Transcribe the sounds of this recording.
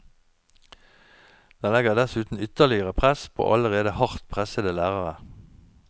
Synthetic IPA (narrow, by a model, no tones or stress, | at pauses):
d̪̥ɑːlɛɡəʁd̪æsʉːt̪n̩ʏt̪əʁlɪəʁəpʰʁɛspʰo̰ːʔɑləʁeːd̪əhɑʁt̪pʰʁɛsəd̪əlæːʁɑʁə